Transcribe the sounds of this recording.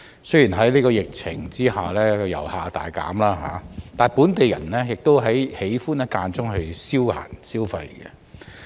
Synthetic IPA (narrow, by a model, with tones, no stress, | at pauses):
sjiː˨˩nɦɐ˨˥jliː˥kɔː˧jɪ˨k̚t͡sʰɪ˨˩ŋt͡siː˥haː˨lɛː˥kɔ˧jɐ̰˨˩whaː˨t̪a̰ː˨jka̰ː˨˥mlaː˥ɦa̰ː˨˦t̪aː˨˩npuː˨˥nt̪e˨jɐ̰˨˩nlɛː˥jɪ˨k̚t̪o˥wɦɐ˨˥jhe˨˥jfuː˥nɛ˥kaː˧nt͡sʊ˥ŋɦɐ˧ɥsiː˥wha̰ː˨˩nsiː˥wfɐ̰˧jɡɛ̰˧